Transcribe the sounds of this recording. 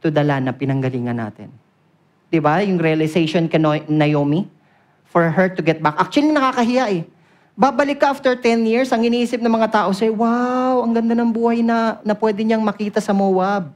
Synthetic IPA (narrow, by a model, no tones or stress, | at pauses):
t̪ʊd̪ɐlanːɐpɪnɐŋɡɐliːŋɐnːa̰ːt̪ɪ̰n | d̪̥ɪbajʊŋɾɛɐlɪsejʃonkɐnonɐjoːmi | fɔɹɦɛɹt̪ʊɡɛt̪̚bakʔak̚t͡ʃʊwɐlinɐkaːkɐɦɪjaʔɛ | baːbɐlɪkːɐʔaft̪ɛɹt̪ɛnjiɹsɐŋhɪniʔiːsɪp̚nɐŋmɐŋat̪aːʔosɛɛwawʔɐŋɡɐnd̪anɐŋbuːhɐjnɐnɐpwɛːd̪ɪɲaŋmɐkiːt̪ɐsɐmoːwab̚